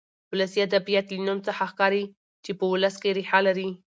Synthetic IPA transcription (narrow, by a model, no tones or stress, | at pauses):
wʊləsiad̪abijat̪lənumt͡səxaxkɑɾi | t͡ʃepəwʊləskeɾeħalaɾi